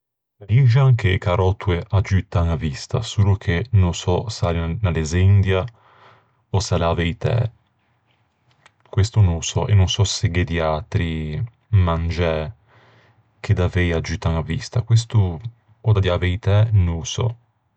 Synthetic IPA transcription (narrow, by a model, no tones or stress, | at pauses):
ɾiʒaŋkʰekaɾɔt̪ːueʔad͡ʒyt̪aŋavist̪a̰suːlokʰenosɔsalnalezind̪ja | osalaːvejt̪ɛ̰ | kwest̪onõsɔ̰ʔḛnːonsɔseɡed̪iat̪ɾi | mand͡ʒɛ | k̟ʰed̪avejad͡ʒut̪ːaŋavist̪akwes̬t̪oː | d̪ad̪javejt̪ɛnõlsɔ̰